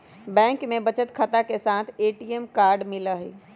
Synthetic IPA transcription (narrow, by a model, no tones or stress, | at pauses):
bɛ̃ːŋkmẽbət͡ʃət̪kʰət̪akesãːt̪ʰeːʈiemkaːɾɖmɪləɦḭ